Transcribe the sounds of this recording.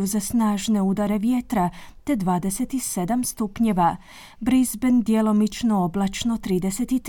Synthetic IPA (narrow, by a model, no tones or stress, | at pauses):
uzasnaːʒne̞ud̪aɾe̞ʋje̞t̪ɾat̪e̞d̪ʋaːd̪e̞set̪ise̞d̪amst̪upɲe̞ʋa | bɾizbend̪jelo̞mit͡ʃno̞oblˠat͡ʃno̞t̪ɾiːd̪e̞se̞t̪it̪